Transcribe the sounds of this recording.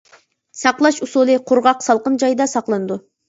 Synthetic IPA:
sɑqlˠɑʃusulˠɨqʰʊɾʁɑqsɑlˠqənd͡ʒɑjd̪ɑsɑqlˠɨnɨd̪u

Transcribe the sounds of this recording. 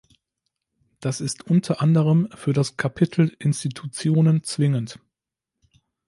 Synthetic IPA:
d̥asɪstʔʊntʰɐʔandəʁəmfyːɐdaskʰapʰɪtʰl̩ʔɪnstitʰut͡sjoːnənt͡sv̥ɪŋənt

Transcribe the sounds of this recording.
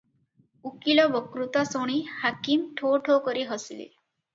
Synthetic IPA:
ukilɔbɔkɾut̪asoɽ̃ihakimʈʰoʈʰokɔɾiɦɔsilḛ

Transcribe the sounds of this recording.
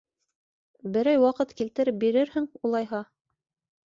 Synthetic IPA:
bɘ̆ɾæjwɑqɤt̪kilt̪ɘ̆ɾɘp̚biɾɘɾhɘŋulˠɑjɦɑ

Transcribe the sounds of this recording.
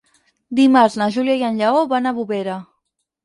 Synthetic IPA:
d̪imaɾznaʒuljajanʎaoβanaβuβeɾa

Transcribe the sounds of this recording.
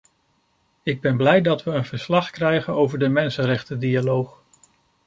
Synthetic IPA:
ɪɡ̚bɛnblɛjdɑtʋəənvəɹslɑχkrɛjχənowvəɹdəmɛnsənrɛχtədialowχ

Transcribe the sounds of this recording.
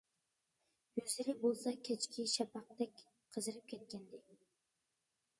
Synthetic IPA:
jøzɪɾɪbolˠsɑkʲʰet͡ʃkʲʰiʃɛpʰɑq̚t̪ɛkʲ | qʰəzɨɾɨp̚kʲʰɛt̪̚kʲɛnd̪ɪ

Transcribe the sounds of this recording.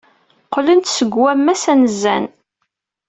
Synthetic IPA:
qlənt̪səɡwæmːæsænəzæ̰n

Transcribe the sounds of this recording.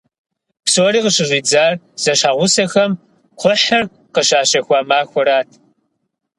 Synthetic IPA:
pswɾiːqəɕɪʑʷiːd͡zaːr | z̥ɐʃaːʁʷʊsɐxɐm | qʷʰʊħɐr | qəɕaːɕɐxʷaːmaːxʷɔɾaːtʰ

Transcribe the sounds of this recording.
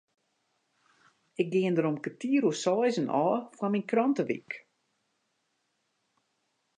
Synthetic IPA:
ɪk̚ɡɪəndəɾomkətiəɾusɔːjzənʔɔːfwaminkrɔntəʋḭk

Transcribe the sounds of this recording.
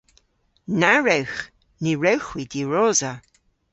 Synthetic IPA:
naɹɛwx | niɹɛwxwidiɹoːza

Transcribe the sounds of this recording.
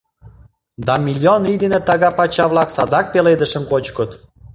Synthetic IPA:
d̪ɑmʲilʲjonid̪enet̪ɑɣɑpɑt͡ɕɑβlɑksɑd̪ɑk̚peled̪əʃə̆mkot͡ɕkət̪

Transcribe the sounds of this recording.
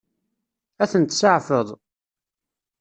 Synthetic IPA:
æθənt̪səʕfəðˤ

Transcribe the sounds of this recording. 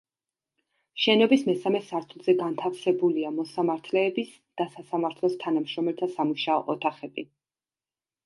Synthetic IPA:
ʃɛnɔbismɛsamɛsaɾt̪ʰulˠzɛɡant̪ʰafsɛbuliamɔsamaɾt̪ʰlɛːbis | d̪̥asasamaɾt̪ʰlˠɔst̪ʰanamʃɾɔmɛlt̪ʰasamuʃaɔʔɔt̪ʰaχɛbi

